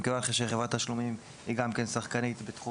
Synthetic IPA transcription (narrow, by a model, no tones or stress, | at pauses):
kevanχeʃeχevʁat̪aʃlumim | hiɡamke̞nsaχkanit̪bet̪χu